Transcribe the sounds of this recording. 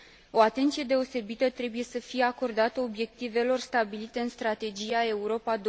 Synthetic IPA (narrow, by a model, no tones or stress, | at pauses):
o̞at̪e̞nt̪sije̞d̪e̞o̞se̞bit̪ət̪ɾe̞buje̞səfije̞ako̞rd̪at̪əo̞bje̞k̚t̪ive̞lo̞rst̪abilit̪e̞ɨnst̪ɾat̪e̞d͡ʒijae̞uɾo̞pad̪